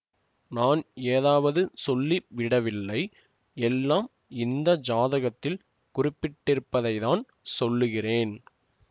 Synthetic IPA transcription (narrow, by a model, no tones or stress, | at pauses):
naːneːðaːʋɐðɯsɔlːiʋɪɽɐʋɪlːɐɪ | ɛlːaːm | ɪnd̪ɐd͡ʒaːðɐɣɐt̪ːɪl | kʊrɪpːɪʈːɪɾɯpːɐðɐɪðaːn | sɔlːɯɣɪreːn